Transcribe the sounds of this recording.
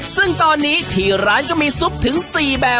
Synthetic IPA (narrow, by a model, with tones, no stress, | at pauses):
sɯ˥˩ŋt̪ɔː˧nːiː˦˥t̪ʰiː˨˩ɾaː˦˥nt͡ɕa˧˩miː˧su˦˥p̚t̪ʰɯ˩˦ŋsiː˨˩bɛː˨˩